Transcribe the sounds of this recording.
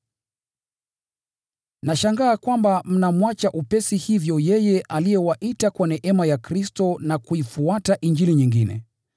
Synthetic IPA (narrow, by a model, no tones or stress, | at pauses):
naʃaŋɡaːkwambam̩namwat͡ʃaʔupɛsihivjɔjɛjɛʔalijɛwaʔitakwanɛʔɛmajakɾistɔnakuifuataʔiɲd͡ʒiliɲiŋɡinɛ̰